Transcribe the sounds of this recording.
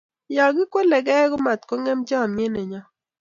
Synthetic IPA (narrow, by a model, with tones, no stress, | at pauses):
ja˨ɡɪ˦kwo˦lɛ˨ɡɛ˦ɡɔ˦ma˨t̪kɔ˦ŋɛ˦md͡ʒa˦˨me˦ne˨ɲɔ˦